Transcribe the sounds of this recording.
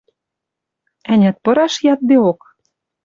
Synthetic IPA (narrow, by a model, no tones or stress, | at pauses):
ænʲæt̪̚pɤ̆ɾɑʃjɑt̪̚d̪eok